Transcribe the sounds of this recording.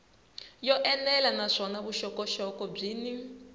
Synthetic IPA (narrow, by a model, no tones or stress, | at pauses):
jɔʔɛnɛlanaʂɔnaβuʃɔkɔʃɔkɔb͡ʐiːni